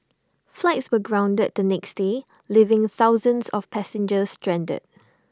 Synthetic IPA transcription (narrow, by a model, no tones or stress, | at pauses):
flaɪtswəɡɹãʊ̃ndəd̚d̪ənɛksde | livɪ̃ŋθaʊzə̃nsɔfpʰɛsɪ̃nd͡ʒəstɹɛ̃ndə̰d̥̚